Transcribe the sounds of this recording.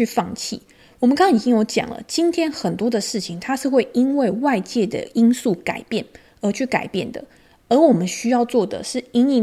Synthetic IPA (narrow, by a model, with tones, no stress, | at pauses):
y˥˧fɑ˥˧ŋt͡ɕʰḭ˥˩ | wɔ˨˩mə˦nkɑ˥ŋɑ˥˨ŋi˨˩t͡ɕi˥ŋjo˧˥ʊt͡ɕjɑ̰˨˩ŋlə̰˦t͡ɕi˥nt̪ʰjɛ˥nxə˨˩nt̪wɔ˥d̪ə˨ʂɻ̩˥˩t͡ɕʰi˨ŋt̪ʰa˥ʂɻ̩˥˧xwe˥˩ɪi˦˥nwe˥˧ɪwa˥˧ɪt͡ɕjɛ˥˩d̪ə̰˩i˥nsu˥˩ka̰˨˩ɪpjɛ˥˩n | ə˧˥t͡ɕʰy˥˩ka˨˩ɪpjɛ˥˩nd̪ə̰˩ | ə˞˧˥wɔ˨˩mə˦nɕy˥jɑ˥˧ʊt͡swɔ˥˩d̪ə̰˩ʂɻ̩˥˩i˥ni˥˩